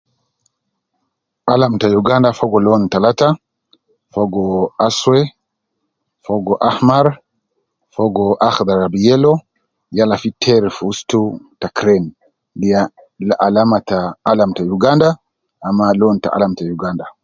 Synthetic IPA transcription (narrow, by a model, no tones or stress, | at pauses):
ʔalamtajuɡandafɔɡɔlɔntalata | fɔɡɔaswɛ | fɔɡɔʔahmaɾ | fɔɡɔʔaxd̪aɾabijɛlɔ | jalafitʰɛɾfustutakɾɛn | dija | laʔalamataːlamtajuɡanda | ʔamːalɔnta̰ʔa̰lamtajuɡanda